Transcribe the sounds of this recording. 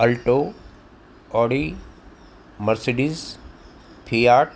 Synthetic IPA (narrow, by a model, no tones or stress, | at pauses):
ɐlʈo | ɔːɽi | mɐɾseɖiz | pʰijaːʈ